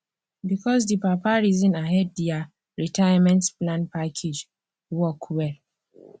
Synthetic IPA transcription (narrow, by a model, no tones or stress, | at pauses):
bikʰɔs̬dipapaɹizɔ̃naɦɛd̚dia | ɹitajamɛ̃ntplãnpʰakʰed͡ʒ | wɔkʰwɛl